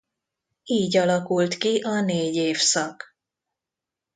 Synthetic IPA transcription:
iːɟɒlɒkult̪kiʔɒneːɟeːfsɒk

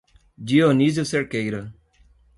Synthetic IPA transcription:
d͡ʒionizjoseɾkejɾo

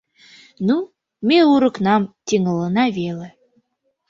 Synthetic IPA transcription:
nu | meuɾə̆knɑmt̪ʲiŋələnɑβele

